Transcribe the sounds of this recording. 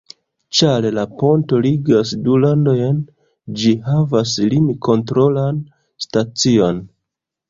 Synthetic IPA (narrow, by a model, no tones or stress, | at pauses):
t͡ʃalelapo̞nto̞liɡasdulando̞jn | d͡ʒiɦavaslimikʰo̞ntɾo̞lan | stat͡sio̞n